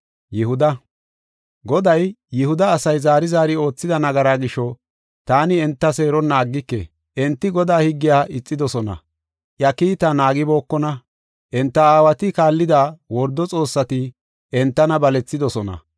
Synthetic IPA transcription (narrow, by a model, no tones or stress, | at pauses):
jɛhʊd̪ɐ | ɡɔd̪ɐjjɛhʊd̪ɐːsɐjzaːɾɪzaːɾɪo̞ːt͡sːɪd̪ɐnɐɡɐɾaːɡɪʃːɔ | t̪aːnɪɛnt̪ːɐse̞ːɾɔnːaːɡːɪkːḛ | ʔɛnt̪ːɪɡɔd̪aːhɪɡːɪjaːʔɪt͡sʼːɪd̪ɔsɔnɐ̰ | ʔjɐkiːt̪ɐnaːɡɪbo̞ːkːɔnɐ | ʔɛnt̪ːɐaːwɐt̪ɪkaːlːɪd̪aːwɔɾd̪ːɔt͡sʼo̞ːsːɐt̪ɪ | ʔɛnt̪ːɐnɐbɐlɛt͡sːɪd̪ɔsɔnɐ̰